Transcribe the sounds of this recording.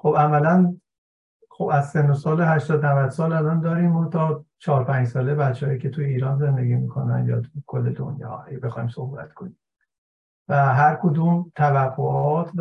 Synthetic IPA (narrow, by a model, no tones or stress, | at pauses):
xobæmælæn | xobæzsenːosɒːleɦæʃt̪ɒːd̪nævæd̪̥sɒːlælɒːnd̪ɒːɾiːmhot̪ʰːɒːt͡ʃʰɒːɾpʰæːɲd͡ʒsɒːlebæt̪t͡ʃʰehɒjiːcʰe̞t̪ʰujeiːɾɒːnze̞nd̪e̞ɡiːmikʰo̞næ̰njɒ̰ːt̪ʰukʰolːed̪o̰njɒ̰ːæebe̞xɒːjimso̞hbæ̰t̪kʰoniːmː | væɦæɾkʰod̪uːmt̪ʰævæfoʔɒːt̪ʰv